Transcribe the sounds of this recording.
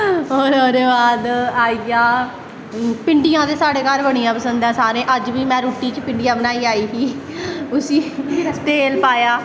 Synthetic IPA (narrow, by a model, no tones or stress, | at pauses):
ɦoːɾoːɾeːbaːd̪aːiːaː | pɪɳɖijãːt̪eːsaːɽeːkaːlbəɽ̃ijãːpəsə̃nd̪ɛ̃ːsaːɾẽːʔəd͡ʒʋiːmɛ̃ːɾuːʈiːt͡ʃpɪɳɖɪjãːbənaːiːaːiːsiː | ʊsiːt̪eːlpaːjaː